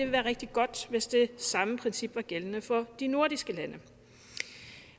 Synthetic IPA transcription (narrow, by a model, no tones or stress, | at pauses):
eʋe̝ʋæːɐʁɛɡ̥d̥iɡ̥ɒ̽d̥ʋe̝sd̥e̝sɑ̈məpʰʁɛnsib̥ʋɑ̈ɡ̥elənəfɒ̽d̥ino̝ɐd̥isɡ̥əlænə